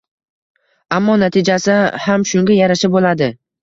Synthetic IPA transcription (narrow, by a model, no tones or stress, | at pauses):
amːɒnat̪ʰɪd͡ʒasɪhamʃʊŋɡʲajaɾaʃabolad̪ɪ